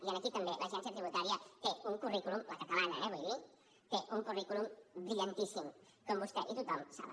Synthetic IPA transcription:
janakit̪ɐmbelʔasiansjat̪ɾiβut̪aɾjak̪euŋkurikulumbat̪akaβana̰ɛβojli | k̪eʔuŋkurikulumbɾiʎant̪isim | kombust̪eʔit̪ut̪ɔmsa̰βa̰

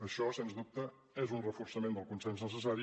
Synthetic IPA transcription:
əʃɔsenzdup̚t̪ə | ezunrəfursəmend̪əlˠkunsenznəsəs̬aɾi

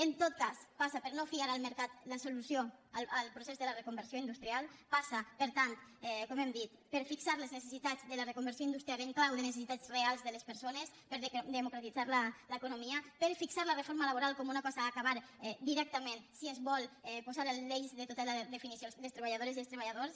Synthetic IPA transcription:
ent̪ot̪̚kaspasapəɾnofiaɾalˠmeɾkat̪lasulusjoələlˠpɾusezðelərekumbeɾsjoind̪ust̪ɾialˠpasapəɾt̪ant̪ɛkomɛmd̪it̪peɾfiksaɾleznesesit̪ad͡zðəlarekumbəɾsioind̪ust̪ɾijaleŋklawðenes̬es̬it̪at͡srealˠzðelespəɾsonespeɾd̪emukɾat̪id͡zaɾlaləekunomiəpeɾfiksaɾlərefoɾmalaβoɾalkɔmunakɔzaaːkaβaɾɛd̪iɾɛk̚t̪əmẽnsiezβɔlˠɛpozaɾəlleʎzðet̪ot̪alaðefinisiosðelst̪ɾeβaʎaðoɾezielst̪ɾeβaʎaðoɾs

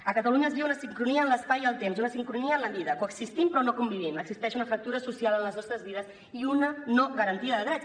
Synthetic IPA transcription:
əkət̪əluɲəːzβiwunəsiŋkɾuniəːnləspajəlˠt̪emsunəsiŋkɾuniəːnləβiðəkoəksist̪impɾɔnokumbiβiməɡzist̪ɛʃunəfɾək̚t̪uɾəsusialənləznɔst̪ɾəzβiðəs | iunənoɣəɾənt̪iəðəðɾɛt͡s

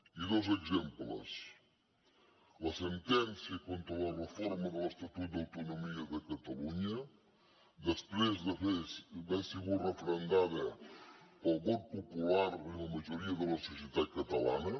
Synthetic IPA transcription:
iðozəɡzemplə̰s | ləsənt̪ɛnsiəkont̪ɾələrəfɔɾməðələst̪ɐt̪ut̪̚d̪ɐwt̪unumiəðəkət̪əluɲə | d̪əspɾezd̪əebɛsiɣurəfɾənd̪aðə | pəlˠɣɔt̪̚pupulaɾiləməʒuɾiəðələsusjət̪at̪̚kət̪əla̰nə

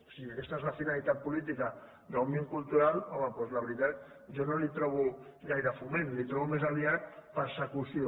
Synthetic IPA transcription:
siakest̪aezlafinalit̪at̪̚pulit̪̬ika | d̪awmjeŋkult̪uɾalɔməpezlaβɾit̪at̪ | ʒonolit̪ɾɔβ̞uɣajðafumẽnlit̪ɾɔβumezaliat̪̚pəɾsəkusio

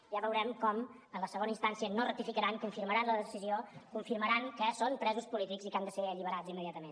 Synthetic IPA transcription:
ʒaβəwɾɛmkɔm | ənləsəɣonəinst̪ansiənorək̚t̪ifikəɾaŋkuɱfiɾməɾanləðəsiziokuɱfiɾməɾaŋkəsonpɾɛzuspulit̪ikzikand̪əseəʎiβəɾad͡zimːəðiat̪əmen

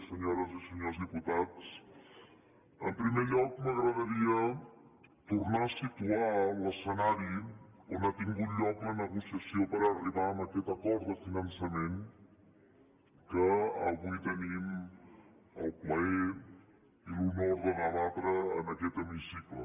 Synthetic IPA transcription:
səɲoɾəziseɲozd̪iput̪at̪s | əmpɾimeʎɔkməɣɾaðɐɾia | t̪uɾnasit̪ualɐsənaɾionat̪iŋɡut̪ʎɔklɐnəɣusjasjopəɾariβanaket̪akɔɾd̪əfinɐnsamẽn | kəɐβujt̪ənim | ɐ̰lplae | ilunoɾðɐnaβat̪ɾɐ̰ːnɐket̪emunisiklo̰

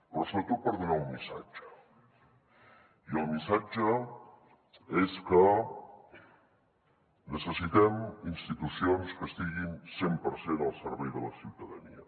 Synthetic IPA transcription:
pɾɔsoβɾət̪ot̪̚pəɾðunaumːisa̰d͡ʒə̥ | iəlˠmisad͡ʒə | eskə | nəsəsit̪ɛminst̪it̪usionskəst̪iɣinsempəɾsenəlˠsəɾβɛjðələsiwt̪əðənḭə

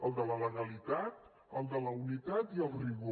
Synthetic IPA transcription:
əlˠd̪ələləɣəlit̪at̪ | əlˠd̪ələunit̪at̪iəlˠriβ

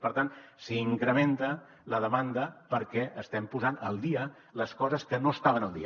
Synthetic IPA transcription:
pəɾt̪ansiːŋkɾəment̪ə | ləð̞əmand̪əpəɾkɛʔəst̪ɛmpuzanəlˠd̪iə | ləskɔzəskənoəst̪aβ̞ənəlˠd̪ḭə

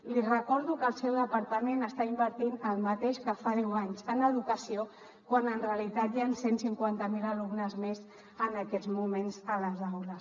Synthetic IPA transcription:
lirəkɔɾðukəlˠsɛwðəpəɾt̪əmenəst̪aimbəɾt̪inəlˠmət̪eʃkafaðɛwaɲzənəðukəsio | kwanənreəlit̪at̪jansensiŋkwant̪əmiləlumnəzmez | ənəkɛd͡zmumenzələzawləs

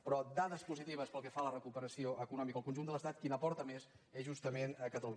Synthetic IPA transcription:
pɾɔd̪aðəspuzit̪iβ̞əspəlˠkɛfalərəkupəɾəsioʔəkunɔmikəlˠkunʒund̪ələst̪at̪̚kinəpɔɾt̪əmes | ɛʒust̪əmenəkət̪əlu

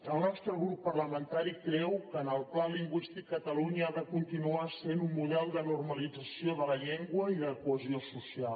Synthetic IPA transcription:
əlˠnɔst̪ɾəɣɾupːərləmənt̪aɾikɾɛwkəːnəlˠplaliŋɡwist̪ikːət̪əluɲəaðəkunt̪inuasenumːuðɛlˠd̪ənurməlid͡zəsioðələʎeŋɡwəiðələkuəziosusialˠ

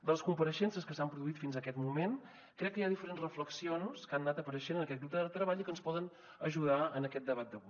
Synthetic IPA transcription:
d̪əlˠəskumpəɾəʃɛnsəskəsampɾuðuit̪finzəkɛt̪mumen | kɾɛkːəjaðifəɾenzrəfləksionskanːat̪əpəɾəʃenənəkɛt̪ɡɾup̚d̪əðət̪ɾəβaʎikənspɔðən | əʒuð̞aənəkɛt̪̚d̪əβat̪̚d̪əβu

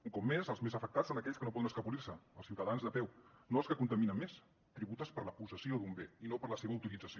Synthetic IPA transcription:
uŋkɔpmezəlˠzmezəfək̚t̪atsonəkɛʎskənopɔðənəskəpulirsəə̰lˠsiwt̪əðanzðəpɛwnoəlˠskəkunt̪əminəmmes | t̪ɾiβut̪əspəɾləpusəsioðumbeinopəɾləseβəut̪ilid͡zəsio

